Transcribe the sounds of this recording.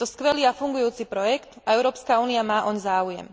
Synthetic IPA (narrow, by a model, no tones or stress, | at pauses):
t̪ɔskʋɛliːafuŋɡujuːt͡sipɾɔjɛkt̪aɛʊɾɔːpskauːniamaːʔɔɲzaːujɛ̰m